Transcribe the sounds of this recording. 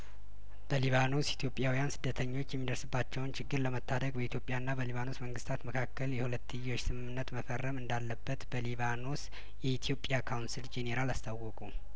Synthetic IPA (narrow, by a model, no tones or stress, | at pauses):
b̥əliβano̞sit̪ʰjo̞pʼːjawijansɨd̪ːət̪ʰəɲːo̞t͡ʃːjɛmːid̪əɾsɨbːat͡ʃːɛwnt͡ʃɪɡːɨɾləmət̪ʰːad̪əɡbəit̪ʰjo̞pʼjanːabəliβano̞sməŋɡɨst̪ʰat̪məkʰakːəljɛhulət̪ːɨjːo̞t͡ʃːsɨmɨmːɨnːət̪məfərːəmɨnd̪alːəbːət̪bəliβano̞s | jɛit̪ʰijo̞pʼjakʰawnsild͡ʒeneɾalast̪ʰawɔkʼu